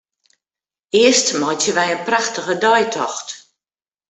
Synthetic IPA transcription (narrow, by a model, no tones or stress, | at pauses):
ɪəstmɔjtjəʋɛjənpraxtəɣədɔjtʰɔxt